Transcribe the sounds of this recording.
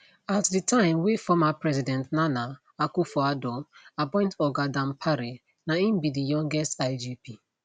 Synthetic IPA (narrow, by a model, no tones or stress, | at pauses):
atditʰãɪ̃mwefɔmapɹɛzidɛ̃ntnana | akufɔadɔapɔ̃ɪ̃ntɔɡadãmpʰaɾi | naĩmbidijɔ̃ŋɡɛstaɪd͡ʒipi